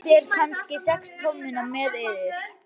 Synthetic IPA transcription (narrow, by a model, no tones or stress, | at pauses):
jɛɾ̥kʰanscɪsɛkst̪ʰɔwmːɪnamɛːðejðɪɾ̥